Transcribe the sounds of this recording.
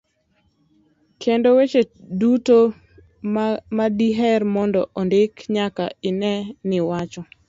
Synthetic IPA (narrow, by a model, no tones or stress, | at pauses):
kʰendowet͡ʃeduto | madiɦɛrmɔndɔʔɔndɪkɲakaɪnɛnɪwat͡ʃɔ